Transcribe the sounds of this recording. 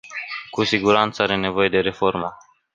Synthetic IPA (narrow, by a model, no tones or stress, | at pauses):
kusiɡuɾant̪səaɾe̞ne̞vo̞je̞d̪e̞ɾe̞fo̞rmə